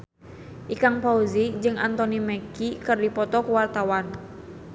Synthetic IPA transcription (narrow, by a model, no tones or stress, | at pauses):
ʔikaŋpauzid͡ʒɨŋʔa̰nt̪ɔnimɛkikɨrdipɔt̪ɔkuwart̪awan